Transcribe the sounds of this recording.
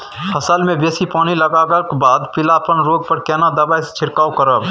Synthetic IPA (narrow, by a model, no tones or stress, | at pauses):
hʰəsəlmẽbeːsipaːniləɡaːɡəlkebaːd̪pɪlapənɾoːɡ̚pəɾkɛːnad̪əbajst͡ʃʰɪɾkaːwkəɾəb